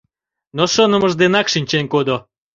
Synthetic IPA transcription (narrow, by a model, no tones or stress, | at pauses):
noʃɤnə̆məʒd̪enɑkʃinʲt͡ɕenkod̪o